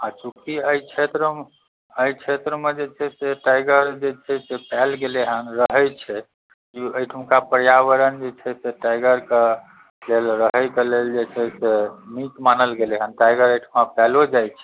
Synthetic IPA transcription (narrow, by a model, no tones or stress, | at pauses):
at͡ʃukiəjt͡ʃʰet̪ɾəm | əjt͡ʃʰet̪ɾəmed͡ʒet͡ʃʰɛseʈajɡəɾd͡ʒet͡ʃʰɛsepɛlɡeleɦənɾəɦəjt͡ʃʰɛ | kiəjʈʰəmkapəɾjaʋəɾənd͡ʒet͡ʃʰɛseʈajɡəɾke | lelɾəɦəjkeleld͡ʒet͡ʃʰɛsemitmanəlɡeleɦənʈajɡəɾəjʈʰmapɛlod͡ʒajt͡ʃʰɛ̥